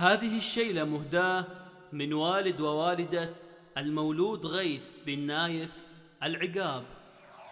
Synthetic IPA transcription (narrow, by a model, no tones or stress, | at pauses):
haːðɪɦɪʃːajlamʊhd̪aː | mɪnwaːlɪd̪wawaːlɪd̪a | ʔalmawluːd̪ɣaːθbɪnːaːjɪf | ʔalʕɪɡaːb